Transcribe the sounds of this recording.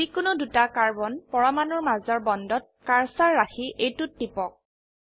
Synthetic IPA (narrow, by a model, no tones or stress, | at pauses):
ikʊnʊdutakaɹbɔnpɔɹamanɔɹmazɔɹbɔndɔt̚kaɹsaɹːaxiʔejtʊtːipɔk̚